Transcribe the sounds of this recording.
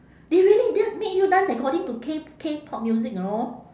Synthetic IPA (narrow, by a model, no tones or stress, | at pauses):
deɹiəlidɛmet̚judãnsəkɔdĩŋtukʰekʰepʰɔp̚mjuzik̚nɔ